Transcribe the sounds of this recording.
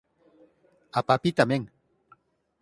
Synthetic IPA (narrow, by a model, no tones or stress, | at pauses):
apapit̪ameŋ